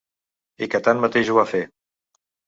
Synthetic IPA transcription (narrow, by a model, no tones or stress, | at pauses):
ikət̪anmət̪eʒuafe